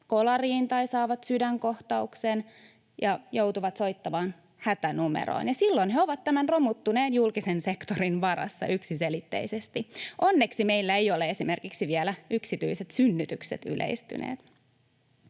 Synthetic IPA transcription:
kolɑriːnt̪ɑisɑːʋɑt̪sydæŋkoht̪ɑuksen | jɑjo̞wt̪uʋɑt̪so̞ijt̪ːɑmɑːn | hæt̪ænumḛɾo̰injɑsilːo̞nheoʋɑt̪ːæmænromut̪ːuneːnjulkisense̞kt̪oɾinʋɑɾɑ̰sːɑ̰ʔyksiselit̪ːḛisest̪iʔonːeksime̞ilːæejoleesimerkiksiʋielæyksit̪yiset̪synːyt̪yksḛt̪y̰lʔḛist̪y̰nḛːt̪

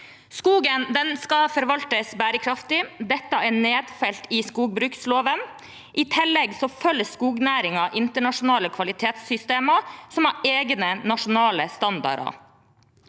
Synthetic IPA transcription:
skuːɡənd̪ɛnskɑfɔɾʋɑlt̪əsbæːɾəkʰɾɑft̪ɪd̪ɛt̪ːəɛɳeːd̪fɛlt̪ɪskuːɡ̚bɾʉːksloːʋən | ʔɪt̪ʰɪlːɛɡsɔfœlːəskuːɡnæːɾɪŋɑʔɪnt̪əɳɑʂʊnɑːləkʰʋɑlɪt̪ʰeːt̪sːʏst̪eːməsɔmɑʔeːɡnənɑʂʊnɑːləst̪ɑnd̪ɑ̰ɾɑ̰

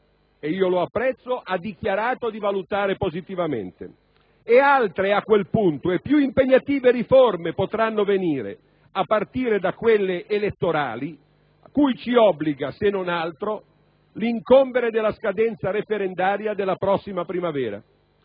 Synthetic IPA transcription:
eiːoloapːɾɛt̪sːoʔad̪ːik̟jaɾaːt̪od̪ivalut̪aːɾepozit̪ivamḛnt̪ḛ | ealt̪ɾeakːwelpunt̪oepːjuimpeɲːat̪iːveɾiformepot̪ɾanːoveniːɾḛ | apːart̪iːɾed̪akːwelːeʔːlet̪ːoɾa̰ːli | akːujt͡ʃiɔbːliɡasenːonalt̪ɾo | liŋkombeɾed̪elːaskad̪ɛnt̪saɾefeɾend̪aːɾjad̪elːapɾɔsːimapɾimavɛːɾa̰

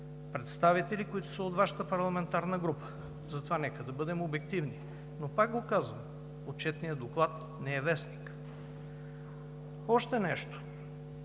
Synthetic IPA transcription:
pɾɛt̪st̪avit̪ɛlikoit̪o̥səot̪vaʃə̥t̪əpɐɾlˠɐmɛnt̪aɾnəɡɾupə̥ | zɐt̪ovanɛkəd̪ɐbɤd̪ɛmobɛk̚t̪ivni | nopaɡ̚ɡokazvəm | ot̪̚t͡ʃɛt̪nijəd̪oklˠat̪ | nɛɛvɛsnik | ɔʃt̪ɛnɛʃt̪o̥

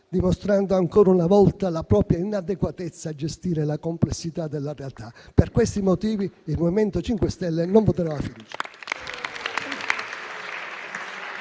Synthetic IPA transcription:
d̪imost̪ɾand̪oaŋkoːɾaunavɔlt̪alapɾɔːpɾjainad̪ekwat̪et̪sːaːd͡ʒest̪iːɾelakomplesːit̪ad̪elːarealt̪aperkwest̪imot̪iːviːlmoviment̪ot͡ʃiŋkwest̪ɛlːenoɱpot̪ɾvafid̪uːt͡ʃḁ

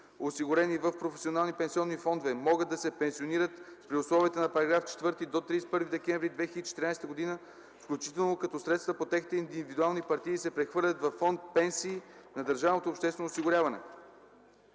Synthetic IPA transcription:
osiɡʊɾɛnivɐfpɾofɛsionalˠnipɛnsiɔnːifɔnd̪ovɛmɔɡəd̪ɐsɛpɛnsioniɾət̪spɾiʊslˠɔviət̪ənɐpɐɾɐɡɾaft͡ʃɛ̥t̪vɤɾt̪id̪ot̪ɾispɤɾvid̪ɛkɛ̃nvɾid̪vɛxiləd̪it͡ʃɛ̥t̪ɾinajst̪əɡod̪inə | fklʲut͡ʃi̥t̪ɛlˠnokɐt̪ɔsɾɛt̪st̪vəpot̪ɛxit̪ɛind̪ivid̪ualˠnipɐɾt̪iːsɛpɾɛxvɤɾlʲɐt̪vɐfːɔnt̪̚pɛnsiːnɐd̪əɾʒavnot̪oːpʃt̪ɛsvɛnoːsiɡʊɾʲavɐnɛ̰

